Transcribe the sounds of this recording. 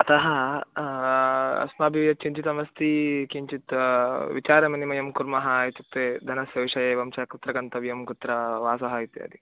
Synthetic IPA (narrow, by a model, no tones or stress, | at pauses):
ɐt̪ɐɦɐ | ɐ̰smaːbʱjijɐt͡ʃʰiɲt͡ʃit̪ɐmɐst̪ʰikiɲt͡ʃit̪ʋit͡ʃaːɾɐminimɐjɐmkuɾmɐɦɐet͡ʃuk̚t̪eːd̪ʱɐnɐsjɐʋʂɐjeːʋɐmt͡ʃɐɐkut̪ɾɐɡɐnt̪ɐʋijɐmkut̪ːɾɐʋaːsɐɦɐit̪eɐ̰d̪i